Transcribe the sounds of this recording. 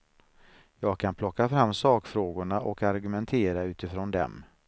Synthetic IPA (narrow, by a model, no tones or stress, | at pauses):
jɑːɡ̚kʰanpʰlɔkːafɾamːsɑːkfɾoːɡʊɳaʔɔkaɾɡɵmɛnt̪ʰeːɾaʉ̟ːt̪ɪfɾɔnd̪ɛ̰m